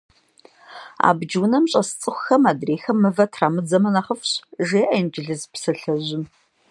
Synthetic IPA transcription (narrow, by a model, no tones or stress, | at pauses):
a̰ːbd͡ʒwnɐmɕʼɐst͡sʼɨxʷxɐmaːdreːxɐmːɨvɐtʰraːmɨd͡zɐmɐnɐχəfɕʒeːʔɐnd͡ʒɪɮɨzpsɐɬɐʑɪm